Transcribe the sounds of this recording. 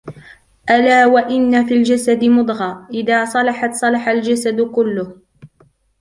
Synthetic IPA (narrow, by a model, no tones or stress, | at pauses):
ʔalaːwaʔɪnːafiːld͡ʒasad̪ɪmʊd̪ˤɣɑːʔɪðaːsˤɑlɑħɑt̪sˤɑlɑħald͡ʒasad̪kʊlːʊh